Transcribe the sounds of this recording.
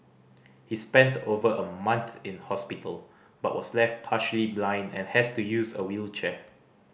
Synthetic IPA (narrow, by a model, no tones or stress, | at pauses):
hispɛ̃ntovəʔəmãnθɪ̃nhɔspitʰəl | b̥a̰ʔ̚wɔslɛft̚pʰaʃəliblãɪ̃ndɛ̰̃nhɛstujusə̰wilt͡ʃɛ